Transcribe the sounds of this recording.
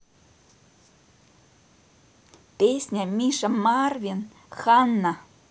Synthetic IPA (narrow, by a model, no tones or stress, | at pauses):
pʲesʲnʲamʲiʃamɑrvʲin | xɑnːa